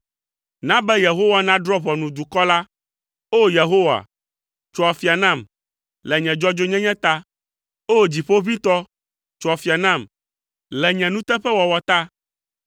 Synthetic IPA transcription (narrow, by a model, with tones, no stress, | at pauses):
nã˦bɛ˦je˨ɦo˦wa˦nã˦ɖɾɔ˦βɔ˨nũ˨d̪u˨kɔ˦la˦ | o˦je˨ɦo˦wa̰˨ | t͡ʃɔ˨a˨fi˨a˨nã˦˨m | lɛ˨ɲɛ̃˨d͡ʒɔ˦d͡ʒo˦ɲɛ̃˦ɲɛ̃˦t̪a˦ | o˦d͡ʑi˨ɸo˦βĩ˦t̪ɔ˦ | t͡ʃɔ˨a˨fi˨a˨nã˦˨m | lɛ˨ɲɛ̃˨nũ˦t̪ɛ˦ɸɛ˦wɔ˨wɔ˨t̪a˦